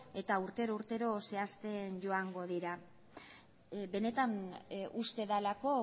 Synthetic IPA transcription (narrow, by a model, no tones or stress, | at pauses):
e̞t̪auɾt̪e̞ɾouɾt̪e̞ɾo̞se̞ast̪e̞nʝo̞aŋɡo̞ðiɾa | be̞ne̞t̪anust̪e̞ðalako̞